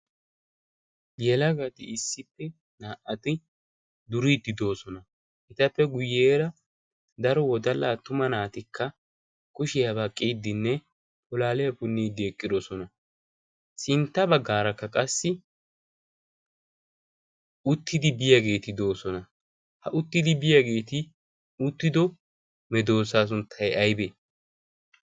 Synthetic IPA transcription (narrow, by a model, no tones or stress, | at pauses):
jɛlɐɡɐt̪ɪɪsːɪpːɛ | naːʔɐt̪ɪ | d̪ʊɾiːd̪ɪd̪o̞ːsɔnɐ | ʔɪt̪ɐpːɛɡʊjːeːɾɐ | d̪ɐɾɔwɔd̪ɐlaːt̪ʊmɐnaːt̪ɪkʰːɐ | kʊʃɪjɐβɐkʼːiːd̪ːɪnːɛ | pʼɔlaːlɛjɐpʊnːiːd̪e̞ːkʼːɪd̪ɔsɔnɐ | sɪnt̪ːɐbɐɡːaːɾɐkːɐkʼɐsːɪ | ʊt̪ːɪd̪ɪbɪjaɡe̞ːt̪ɪd̪o̞ːsɔnɐ | hɐʔʊt̪ːɪd̪ɪbɪjaɡe̞ːt̪ɪ | ʊt̪ːɪd̪ɔ | mɛd̪o̞ːs̬aːs̬ʊnt̪ʰːɐjɐjbeː